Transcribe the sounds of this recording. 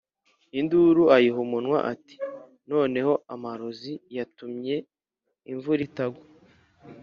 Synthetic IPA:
induɾuajiɦumunŋwa̰ʔati̥ | no̞ːne̞ho̞amaɾo̞zijatumɲe̞ | iɱvuɾitaɡo

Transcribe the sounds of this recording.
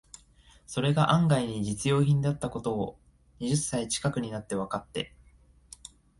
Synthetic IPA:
so̞ɾe̞ɡaʔãŋɡaiɲ̟id͡ʑit͡sɨjo̞ːçĩnd̪eat̪ːako̞t̪o̞ː | ɲ̟iʑɨsːait͡ɕi̥kakɯ̟ɲ̟inat̪ːe̞β̞akat̪ːe̞̰

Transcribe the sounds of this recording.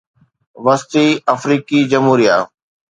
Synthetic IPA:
ʋɐst̪iːɐfɾiːkid͡ʑɐmɦuːɾija

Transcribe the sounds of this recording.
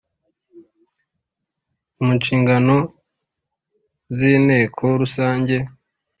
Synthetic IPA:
umut͡ʃiːŋɡano̞ | ziːne̞ːkʰo̞ɾusaːɲɟe̞

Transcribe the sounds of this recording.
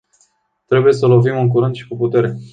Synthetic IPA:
t̪ɾe̞buje̞səlo̞vimɨŋk̬uɾɨnd̪ʃi̥kuput̪e̞ɾe̞

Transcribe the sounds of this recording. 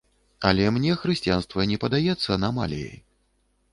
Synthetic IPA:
ɐlʲɛmnʲɛxɾɨsʲt͡sʲijanst̪vɐnʲɛpɐd̪ajɛt̪sːɐnama̰lʲijḛj

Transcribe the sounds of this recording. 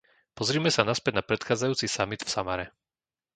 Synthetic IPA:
pɔzɾiːmɛsanaspɛd̚napɾɛt̪xaːd͡zajuːt͡sisamid̪fsamaɾɛ

